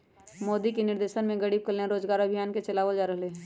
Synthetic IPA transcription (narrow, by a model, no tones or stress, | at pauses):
moːd̪ikenɪɾd̪eːʃənmẽɡɐɽiːb̚kəleãɾoːd͡ʒɡaːɾɐbʱijaːnket͡ʃɐlaːʋəld͡ʒaːɾəɦle